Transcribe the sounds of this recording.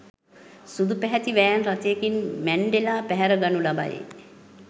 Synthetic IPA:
sud̪upɛɦɛt̪iʋæːnrat̪ejekinmæɳɖelaːpæɦɛɾəɡanulaba̰jḛ

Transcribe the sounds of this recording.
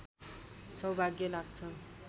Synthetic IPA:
sʌwbʱaɡjʌlaɡt͡sʰʌ

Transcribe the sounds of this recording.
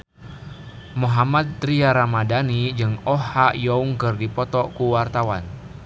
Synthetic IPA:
moɦamat̪̚ːɾiaɾamadanid͡ʒɨŋɔhajɔuŋkɨrdipɔt̪ɔkuwart̪awan

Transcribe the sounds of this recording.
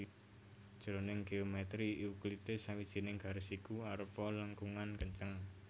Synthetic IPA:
ʒ̥ɾonɪŋɡeomɛt̪ɾiuklit̪ɪsawid̥ʒ̥i̤nɪŋɡ̥a̤ɾəsikuaɾəpɔlaŋkuŋankəɲt͡ʃəŋ

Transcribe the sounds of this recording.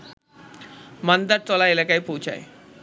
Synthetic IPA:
mənd̪əɾ̚t͡s̪ɔlajelakaiːpout͡ɕa̰ḛ

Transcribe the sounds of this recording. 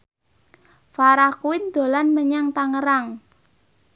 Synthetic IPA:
faɾakuwɪnd̪̥o̤lanməɲaŋt̪aŋəɾaŋ

